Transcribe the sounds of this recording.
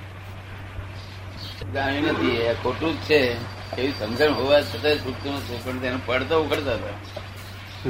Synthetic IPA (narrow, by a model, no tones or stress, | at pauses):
eɡãinət̪ʰieakʰoʈut̪̚t͡ʃʰe | keʋisəmd͡ʒʱəɳɦoʋat͡ʃʰət̪asukt̪unət̪ʰepəɳt̪enũpəɽt̪oukʰəɾt̪aɦət̪a